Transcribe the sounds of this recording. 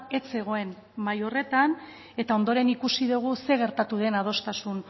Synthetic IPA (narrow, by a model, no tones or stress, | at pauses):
e̞t͡se̞ɣ̞o̞e̞n | majo̞re̞t̪an | e̞t̪ao̞nd̪o̞ɾe̞nikusiðuɣ̞use̞ɣ̞e̞ɾt̪at̪uðe̞nað̞o̞st̪asun